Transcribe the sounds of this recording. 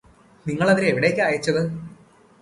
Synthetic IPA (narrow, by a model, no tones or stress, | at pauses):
niŋːɐɭɐðiɾeʋiɽe̞ːkːɨaːjɐt͡ɕːɐðɨ